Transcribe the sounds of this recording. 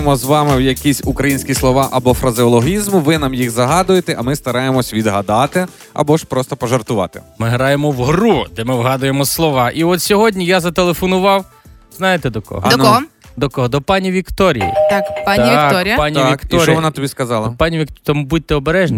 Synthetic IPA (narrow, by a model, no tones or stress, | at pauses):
mɔzʋɑmɪwjɐkʲisʲukɾɐjinʲsʲkʲislˠɔʋɑʔɐbɔfɾɐzʲɪɔlˠɔɦʲizmʊʋɪnamjiɣzɐɦɑd̪ʊjet̪ɛʔɐmɪst̪ɐɾɑjemɔsʲʋʲid̪ɦɐd̪ɑt̪ɪ | ɐ̰bɔʃpɾɔst̪ɔpɔʒert̪ʊʋɑ̰t̪ɪ̰mɪɦɾɑjemɔwɦɾud̪ɛmɪwɦɑd̪ʊjemɔslˠɔʋɑʔiɔt̪sʲɔɦɔdʲnʲijazɐt̪elˠefɔnʊʋɑw | znɑjet̪ɛd̪ɔkɔ̰ɦnɔɦɔ | d̪ɔkɔɦɔd̪ɔpɑnʲiʋʲikt̪ɔɾʲijḭt̪akpanʲkɔɾʲɪjpɑnʲiaikt̪ɔɾʲɔʋɔnɑt̪ɔbʲiskɐzɑlˠɐpɑnʲiʋʲikt̪t̪ɐmubud̚ʲt̪ːɛɔbeɾɛʒnʲ